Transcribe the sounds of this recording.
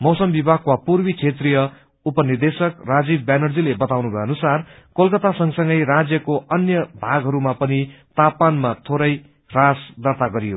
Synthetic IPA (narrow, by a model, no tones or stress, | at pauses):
mʌwsʌmbibʱakwapurbit͡sʰet̪rijʌ | upʌnird̪esʌkrad͡zibbjanʌrd͡zilebʌt̪awnubʱʌeʌnusarkolkʌt̪asʌŋsʌŋɡʌjrad͡zjʌkoʌnjʌbʱaɡɦʌɾumapʌnit̪apanmat̪ʰoɾʌj | rasd̪ʌrt̪aɡʌɾijo